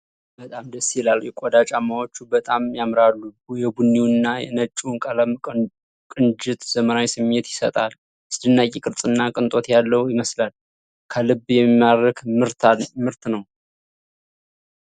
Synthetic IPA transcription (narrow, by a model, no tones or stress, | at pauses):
bət̪ʼamd̪əsːɛlaljɛkʷʼod̪at͡ʃʼamːawo̞t͡ʃːubət̪ʼamjamɾalːuujɛbunːiwnːajɛ̰nət͡ʃʼːunkʼələm | kʼɨnd͡ʒɪt̪z̥əməɾawjsɨmɲet̪jɪsə̰t̪ʼal | ɨsd̪ɨnːakʼikʼɨɾt͡sʼɨnːakʼɨnt̪ʼo̞t̪jalːəwjɪməslal | kʰəlɨbjɛmːaɾəkɨɾt̪mɨɾt̪nəw